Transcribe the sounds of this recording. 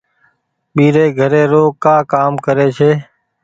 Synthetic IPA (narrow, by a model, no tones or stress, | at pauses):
ɓiːɾeːɡʱəɾeːɾoːkaːkaːmkəɾeːt͡ʃʰeː